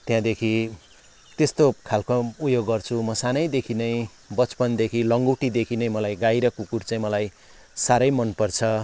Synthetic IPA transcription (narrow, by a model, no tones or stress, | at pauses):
t̪jãd̪ekʰi | t̪est̪okʰalkoupjoɡːʌrt͡sʰumʌsanʌjd̪ekʰinʌj̃ | bʌt͡spʌnd̪ekʰilʌŋɡuwʈid̪ekʰinʌjmʌlajɡajɾʌkukuɾt͡saj̃mʌlaj | saɾʌjmʌnpʌrt͡sʰʌ